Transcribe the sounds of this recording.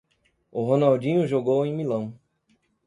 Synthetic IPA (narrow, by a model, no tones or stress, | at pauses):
ʊɦonawd͡ʒĩɲʊʒoɡowẽj̃milɐ̃w̃